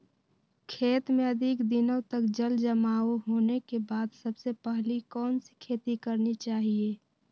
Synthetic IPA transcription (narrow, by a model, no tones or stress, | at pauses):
kʰeːt̪mẽɐd̪ʱɪkd̪ɪnə̃t̪əkd͡ʒəld͡ʒəmaːoɦoːnekebaːd̪sɐbsepəɦlikɔːnsi̥kʰeːt̪ikəɾnit͡ʃaːɦieː